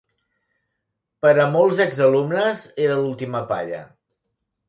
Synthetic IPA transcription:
pəɾəmɔlˠzɛɡzəlumnəzeɾəlulˠt̪iməpa̰ʎə̰

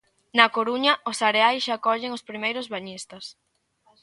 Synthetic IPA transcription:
nɐkoɾuɲɐʊsaɾeajsʃakɔʎɪŋospɾimejɾʊzβaɲist̪ɐs

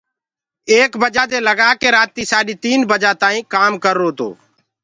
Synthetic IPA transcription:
eːkbəd͡ʒaːd͡ʒ̪eːləɡaːkeːɾaːt̪ːiːsaːɗiːt̪iːnbəd͡ʒaːt̪aːĩːkaːmkəɾːoːt̪o̰ː

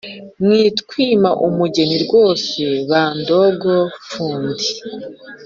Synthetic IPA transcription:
mŋiːtkwiːmaʔumuɟe̞niɾɡwo̞ːse̞βaːndo̞ɡofuːndi

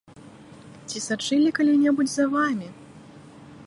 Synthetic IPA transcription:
t͡sʲisat͡ʂɨlʲikalʲinʲɛbud͡zʲzɐvamʲi

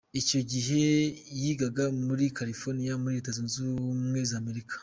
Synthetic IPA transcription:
ico̞ɟiɦe̞jiɡaɡamuɾikaɾifoɾnijamuɾiɾetazunzumŋe̞zaːme̞ɾikʰḁ

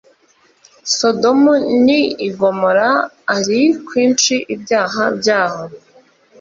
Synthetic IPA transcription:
so̞domuniːɡo̞moɾaː | ɾikwiːnt͡ʃiʔibjaːɦabjaːho

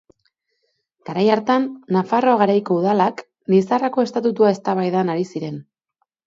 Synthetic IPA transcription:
ɡ̥aɾajaɾt̪anːafaro̞aɣaɾajko̞uðalak | lisarako̞e̞st̪at̪ut̪uae̞st̪aβajðanaɾisiɾe̞n

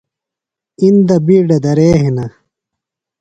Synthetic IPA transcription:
ind̪ɐbiːɖɐd̪ɐɾeːɦinɐ

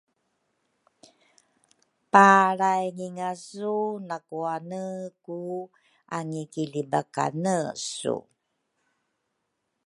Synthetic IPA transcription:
paɾajŋiŋasunakuanəku | aŋikilibaka̰nəsṵ

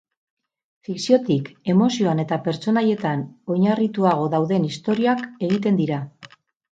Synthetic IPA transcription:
fiksio̞t̪ike̞mo̞sio̞ane̞t̪ape̞ɾt͡so̞naje̞t̪ano̞jɲarit̪uaɣ̞o̞ðawðe̞nist̪o̞ɾiake̞ɣ̞it̪e̞nd̪iɾa

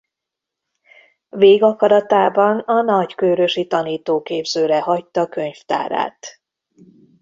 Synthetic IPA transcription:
veːɡɒkɒɾɒt̪aːbɒnɒnɒckøːɾøʃit̪ɒniːt̪oːkeːbzøːɾɛɦɒc̚t̪ːɒkø̞ɲft̪a̰ːɾa̰ːt̪

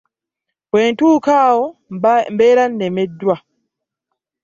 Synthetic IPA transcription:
wwɛntuːkaːwɔmbɛːɾanːɛmɛdua

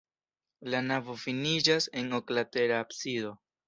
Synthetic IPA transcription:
lanavo̞finid͡ʒaseno̞klate̞ɾaːpsido̞

